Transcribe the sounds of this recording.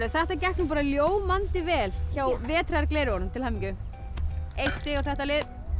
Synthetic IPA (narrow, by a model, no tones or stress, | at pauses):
ɾʏθɛht̪acɛhknʏpaːɾaljoːwmant̪ɪvɛːlçaːwvɛːt̪ʰɾajaɾklejɾʏɔnʏmt̪ʰɪlhamiɲcʏ | ejht̪st̪ɪɣawθɛht̪alɪð